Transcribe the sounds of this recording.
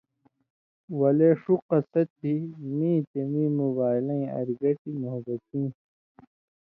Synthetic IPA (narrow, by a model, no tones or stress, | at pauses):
wɐleʂuqɐsɐt̪̚bʱimĩːt̪emiːmubaːilɐ̃ĩɐ̰ɾiɡɐʈimoɦbɐt̪ĩː